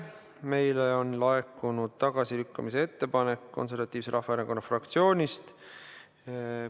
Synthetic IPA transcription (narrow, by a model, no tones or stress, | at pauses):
me̞jleo̞nlɑekːˑunud̪̥t̪ɑɡ̥ɑsilykːɑmis̬ee̞t̪ːe̞pɑne̞kːo̞̰ns̬e̞rvɑt̪ːˑiːvseɾɑhfɑeɾeŋko̞nːɑfrɑkt̪sio̞ːnʲist̪